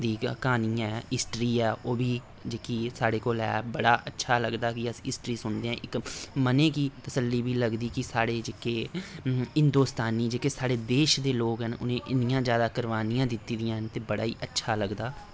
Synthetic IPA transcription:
d̪iːkaːniːɛ̃ɪsʈɾiːɛːʔoːbiː | d͡ʒeːkiːsaːɽeːkoːlɛ̰ːbəɽaːʔətːʃʰaːləɡd̪aːkɪəsɪsʈɾiːsʊnd̪eːɦɛ̃ːʔɪkmənẽːkiːt̪əsəlːiːbiːləɡd̪iːkɪsaːɽeːd͡ʒeːkeː | ɪ̃nd̪oːst̪aːniːd͡ʒeːkeːsaːɽeːd̪eːʃd̪eːloːkɦənʊ̰nẽːʔɪnɪjãːzjaːd̪aːkəɾʋaːnijãːd̪ɪt̪ːiːd̪ɪjãːɦənt̪eːbəɽa̰ːḭːʔətːʃʰaːləɡd̪aː

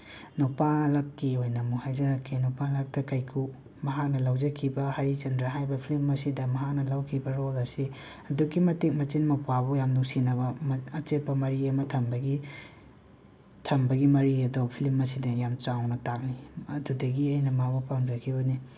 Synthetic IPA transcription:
nupalɐkːiojnɐmuhajzɐɾɐkʰːinupalɐk̚tɐkɐjkʰu | mɐɦak̚nɐlawd͡ʒɐkʰibɐhaɾid͡ʒɐndɾaɦajbɐpʰilimɐsidɐmɐɦak̚nɐlawkʰibɐɾolɐsi | ɐduɡimɐtek̚mɐt͡ʃinmɐpabojamnuŋsinɐbɐmːt͡ʃet̚pɐmɐɾiɐmɐtʰɐmbɐɡi | tʰɐmbɐɡimɐɾiɐdopʰilimːɐsidɐjamt͡ʃawnɐtak̚niɐdudɐɡiɐjnɐmabupawnzɐkʰibɐni

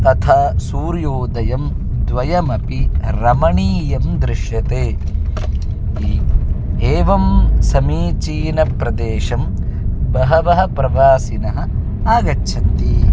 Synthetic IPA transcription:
t̪ɐt̪ʰaːsuːɾjoːd̪ɐjɐm | d̪ʋɐjɐmɐpiɾɐmɐɳiːjɐmd̪ɾɪʃjɐt̪eː | iː | eːʋɐmsɐmiːt͡ʃiːnɐpɾɐd̪eːʃɐm | bɐɦɐʋɐɦɐ̆pɾɐʋaːsinɐɦɐ̆ | aːɡɐt͡ʃːʃʰɐnt̪i

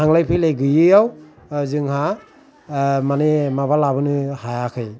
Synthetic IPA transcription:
aŋlajpʰɯjlajɡɯjɯjaw | zɯŋha | manemaβalabɯnɯhajakʰɯj

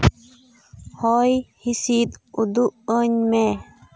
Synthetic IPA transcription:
hɔjhisid̪ud̪uʔəɲme

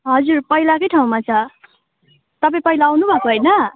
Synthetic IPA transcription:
ɦʌd͡zurpʌɦilakʌjʈʰaũmat͡sʰʌ | t̪ʌpãĩpʌilaːwnubʱʌkoɦʌjnʌ

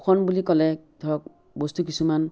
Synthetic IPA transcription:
kʰɔnbulikɔlɛd̪ʱɔɹɔk̚ | bost̪ukisuman

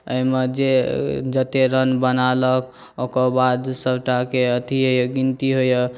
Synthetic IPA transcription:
əimed͡ʒed͡ʒət̪eɾənbənalək | okɔbad̪səbʈakeət̪iɦojəɡint̪iɦojə

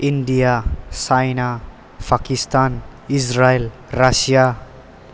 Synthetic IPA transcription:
inɖijasajna | pʰakist̪anisɾael | ɾasija

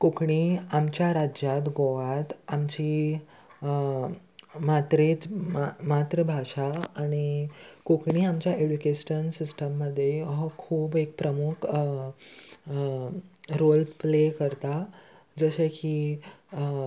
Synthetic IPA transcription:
kokɳiːamt͡ɕjaɾad͡ʑjat̪ɡoʋat̪amt͡ɕi | mat̪ɾet͡smamat̪ɾəbʱaʂaːɽ̃ikokɳ̃iamt͡ɕjaʔed͡ʑukesʈənsisʈəmːəd̪ʱːjeɦɔkʰuːbek̚pɾəmukʰ | ɾolɖplekəɾt̪a | d͡zəɕeki

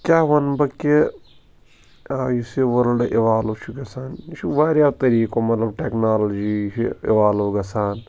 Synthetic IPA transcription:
kʲaːʋɐnbɐkːe | ajuseʋɐɾɖʔeʋaːlot͡ʃʰuɡɐsaːnt͡ʃʰuʋaːɾjaːt̪ɐɾiːkoːmɐt̪lɐbʈeknaːlɐd͡ʒiːt͡ʃʰiḛʋaːloːɡɐsaːn

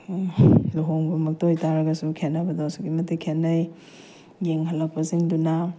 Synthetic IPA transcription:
luɦoŋbɐmɐk̚tojtaɾɐɡɐsukʰenːɐbɐdosukimɐtːikʰenːɐj | jeŋɦɐlːɐk̚pɐziŋdunɐ

